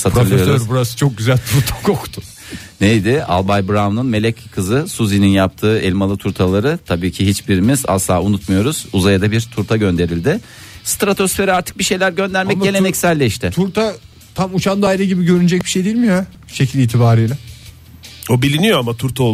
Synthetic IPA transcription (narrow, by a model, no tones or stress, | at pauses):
sat̪ɾɯɾlˠɯjosøɾbuɾasɯ̥t͡ʃʰo̞k̚ɟyzælʲt̪ʰuɾt̪ʰḁkʰokt̪ʰʊ̥ | nejd̪ɪa̰lˠbajbɾavnɯnme̞lʲɛckʰːɯzɯsuzininjap̚t̪ʰɯːɛlʲmalˠɯt̪ʰuɾt̪ʰalˠaɾɯt̪ʰabiːcʰiɦit͡ʃbiɾimiza̰slˠa̰ːunut̪mujo̞ɾuz̥uzajad̪abiɾt̪ʰuɾt̪ʰaɟø̞nd̪e̞ɾilʲd̪ɪ | st̪ɾat̪ʰo̞sfe̞ɾiaɾt̪ʰɯ̥k̚biʃe̞jlʲæɾɟø̞nd̪æɾmɛɟe̞lʲe̞nɛcsælʲːɛʃt̪ɪt̪ʰuɾt̪ʰa | t̪ʰamut͡ʃʰand̪aːjɾɯɟibiɟø̞ɾynyd͡ʒɛc̚biʃejd̪ejilʲmija | ʃecʰilʲiːt̪ʰibaːɾiːlʲɛ | obilʲinijoamat̪ʰuɾt̪ʰaolˠ